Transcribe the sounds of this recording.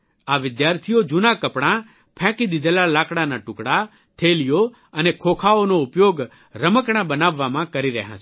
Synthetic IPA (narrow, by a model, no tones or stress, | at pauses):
aʋɪd̪jaɾt̪ʰijod͡ʒunakəpɽ̃ã | pʰɛ̃kid̪id̪ʱelalakɽanaʈʊkɽa | t̪ʰelijo | ənekʰokʰaonoʊpjoɡ | ɾəməkɽ̃ãbənaʋːamãkəɾiɾɛ̰ɦã̰t͡ʃʰ